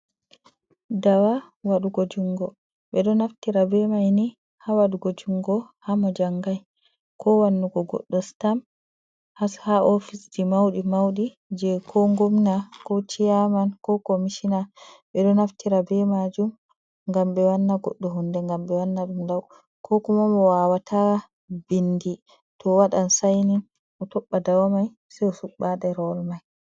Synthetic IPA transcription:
dawa | waɗuɡod͡ʒuŋɡɔ | ɓɛɗɔnaftiɾabɛmajni | hawaɗuɡod͡ʒuŋɡɔhamɔd͡ʒaŋɡaj | kɔwanːuɡɔɡɔ̰ɗːɔstam | hashaʔɔfisd͡ʒimawɗimawɗi | d͡ʒɛkʰɔŋɡomnakɔt͡ʃijamankɔkomiʃinaɓɛɗɔnaftiɾabɛmad͡ʒum | ŋɡambɛwanːaɡɔ̰ɗːɔɦundɛŋɡambɛwanːaɗumdaw | kʰɔkumamɔwawatʰa | bindi | tɔwaɗansajnin | ʔɔtɔɓːadawamaj | sɛɔsuɓːaɗɛɾɔlmaj

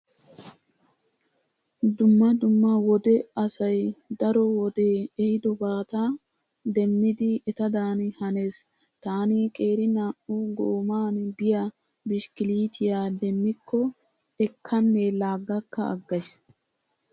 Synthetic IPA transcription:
d̪ʊmːɐd̪ʊmːɐwɔd̪ɛɐsɐjd̪ɐɾɔwɔd̪e̞ːɛhɪd̪ɔbaːt̪a | d̪ɛmːɪd̪ɪɛt̪ɐd̪aːnhɐneːs | t̪aːniːkʼe̞ːɾɪnaːʔʊɡoːmaːnbɪjɐ | bɪʃkɪliːt̪ʰɪjaːd̪ɛmːɪkːɔ | ɛkʰːɐnːelaːɡːɐkːɐʔɐ̰ɡːɐjs

